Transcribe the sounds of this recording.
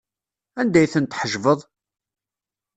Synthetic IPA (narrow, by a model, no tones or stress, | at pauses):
ænd̪æjθənt̪ːħəʒvəðˤ